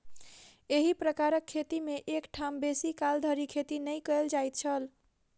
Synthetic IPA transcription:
eɦipɾəkaɾəkʰːet̪imeʔekʈʰambesikald̪ʱəɾikʰet̪inəjkəeld͡ʒajt̪̚t͡ʃʰəl

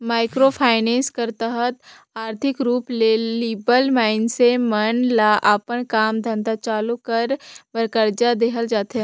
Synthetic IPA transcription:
maːɪkɾopʰaːɪnẽːnskəɾt̪əɦət̪ | aːɾt̪ʰɪkɾuːpleliːbəlmaːɪnsemənlaːʔapənkaːmd̪ʱə̃nd̪at͡ʃaːlokɐɾbəɾkəɾd͡ʒad̪eːkɦʰəld͡ʒaːt̪ɦɛ̃

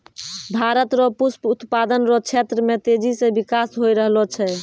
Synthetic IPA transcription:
bʱaɾət̪ɾɔpusput̪pad̪ənɾɔt͡ʃʰet̪ɾəmet̪ed͡ʒisẽbikasɦojɾəɦlɔt͡ʃʰɛ

